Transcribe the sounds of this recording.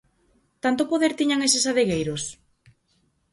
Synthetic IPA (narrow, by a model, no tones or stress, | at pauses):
t̪ant̪opoðeɾt̪iɲaŋesɪsaðeɣejɾos